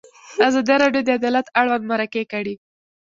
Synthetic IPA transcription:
azɑd̪iɾɑɖjod̪əad̪ɑlat̪aɽwand̪maɾakekaɽi

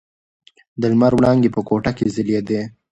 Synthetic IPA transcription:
d̪əlmaɾwɽɑŋɡepəkoʈakezɪljed̪e

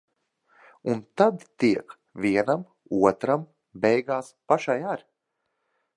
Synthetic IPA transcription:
unt̪ad̪t̪iɛk | vʲiɛnam | uɔt̪ɾam | bɛjɡaːspaʃajaɾ

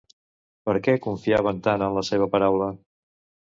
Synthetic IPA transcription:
pəɾkɛkuɱfiaβənt̪anənləseβ̞əpəɾawlə

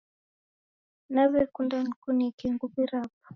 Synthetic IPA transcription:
naβɛkundanikunikɛŋɡuβiɾap̚ḁ

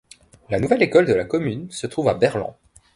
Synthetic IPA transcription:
lanuvɛlekɔld̪əlakɔmynsət̪χuvabɛʁlɛ̰̃

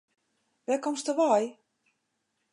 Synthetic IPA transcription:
ʋɛkɔmstəʋɔj

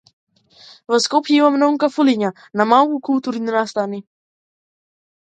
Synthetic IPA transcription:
vəskopjivamnɔŋkafuliɲa | namawkukult̪uɾininast̪ani

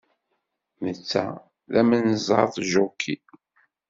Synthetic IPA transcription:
mət͡sːæ̰ | ðæmənzˤɑ̰ɾθˤʒukʰːi

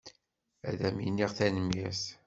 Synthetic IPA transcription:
æ̰ðæmjinːiʁθænəmjæs

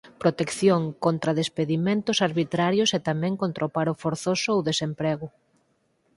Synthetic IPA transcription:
pɾot̪ekθjoŋkont̪ɾaðespeðimẽnt̪ʊsaɾβit̪ɾaɾjʊset̪amɛ̃ŋkont̪ɾaopaɾʊfoɾθosʊowðesempɾɛɣʊ

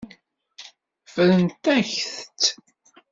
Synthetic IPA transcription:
fəɾənt̪æçθt̪

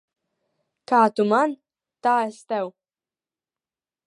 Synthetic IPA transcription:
kaːt̪uman | t̪aːɛst̪ɛw

